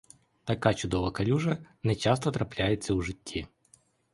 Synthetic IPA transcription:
t̪ɐkat͡ʃʊd̪ɔʋɐkɐlʲuʐɐnɛt͡ʃast̪ɐt̪ɾɐplʲajet͡sʲːɐuʐɪtʲʰːi

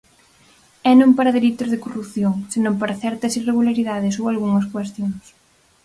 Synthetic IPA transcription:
ɛnõmpaɾɐðelit̪ʊzðɪkorupθjoŋsenõmpaɾɐθɛɾt̪ɐsireɣulaɾiðaðɪsowalɣuŋɐskwest̪joŋs

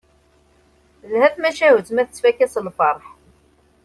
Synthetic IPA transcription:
lhæθmæʃæhut̪mæθət͡sːfækːæslfɑɾˤħ

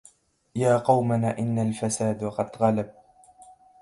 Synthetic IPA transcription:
jaːqɑwmanaʔɪnːalfasaːd̪qɑd̪ɣalab̚

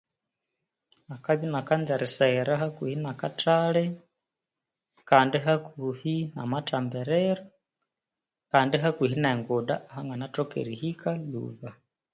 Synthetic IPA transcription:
akaβinakand͡ʒaɾisaɾahakwihinakatalɛ | kaːndiɦakuhina̰matambɛɾɛɾa | kaːndiɦakihineŋɡoɗa̰ʔːhaŋɡanatokḛɾihikʰalṵβa

